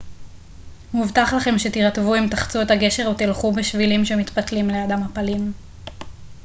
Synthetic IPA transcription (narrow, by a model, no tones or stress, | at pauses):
muvt̪aχlaχe̞mʃet̪iʁatvuimt̪aχt͡suetaɡe̞ʃeʁot̪ilχubeʃvilimʃemit̪pɐtlimlead̪amhapalim